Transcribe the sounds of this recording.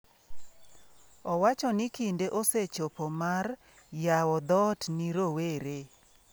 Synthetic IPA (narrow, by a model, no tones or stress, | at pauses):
ɔwat͡ʃɔnikindeʔoset͡ʃopomar | jawɔd̪ɔtniɾoweɾe